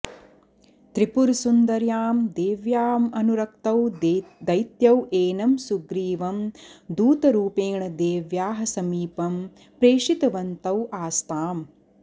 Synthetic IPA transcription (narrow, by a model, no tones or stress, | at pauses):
t̪ɾipuɾsund̪ɐɾjaːmd̪eːʋjaːmɐnuɾɐk̚t̪ɐwd̪ɐjt̪jɐweːnɐmsuɡɾiːʋɐmd̪uːt̪ɐɾuːpeːɳɐd̪eːʋjaːɦɐsɐmiːpɐm | pɾeːʂit̪ɐʋɐnt̪ɐwʔaːst̪aːm